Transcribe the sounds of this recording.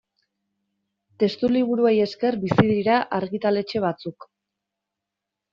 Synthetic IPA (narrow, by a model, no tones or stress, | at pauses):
t̪e̞st̪uliβ̞uɾueje̞ske̞ɾbisiðiɾaʔaɾɣit̪ale̞t͡ʃe̞β̞at͡suk